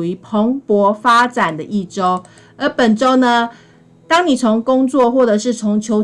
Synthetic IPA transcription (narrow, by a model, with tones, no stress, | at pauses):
u˨˩y˧˥pʰo˧˥ŋpwɔ˧˥fa˥ʈ͡ʂa˨˩nd̪ə˦ʔi˥˩ʈ͡ʂo˦ʊ | ə˨˥pə˨˩nʈ͡ʂo˥ʊnə˧ | t̪ɑ˥ŋni˨˩t͡sʰo˧˥ŋkʊ˥ŋt͡swɔ˥˨xwɔ˥˩ʈ͡ʂɤ˨˩ʂɻ̩˥˩t͡sʰo˧˥ŋt͡ɕʰjo˧˥ʊ